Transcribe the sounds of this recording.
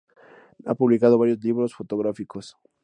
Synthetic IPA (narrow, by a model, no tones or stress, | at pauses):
a̰puβlikaðo̞βaɾjozliβɾosfot̪oɣɾafikos